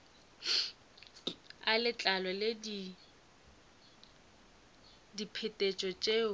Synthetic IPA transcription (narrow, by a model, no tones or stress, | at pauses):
alɪt͡ɬʼalɔledi | dipʰɪtʼet͡ʃʼɔt͡ʃʼeː